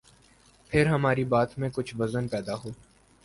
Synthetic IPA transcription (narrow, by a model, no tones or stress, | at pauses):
pʰɪɾɦɐmaːɾibaːt̪mẽkʊt͡ʃʰʋɐzənpɛːd̪aɦoː